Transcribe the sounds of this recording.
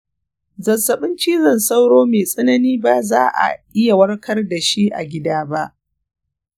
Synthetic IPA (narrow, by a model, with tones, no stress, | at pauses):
zɐ˨sɐ˨ɓɪ˦nt͡ʃiː˦zɐ˨nsa˦wɽoː˦meː˨sʼɐ˦nɐ˦niː˦ba˦zaː˦ʔa̰˨ʔɪ˦ja˨wɐ˦rkʰɐ˦rda˨ʃi˦ʔa̰˨ɡʲɪ˦daː˦ba˦ʔ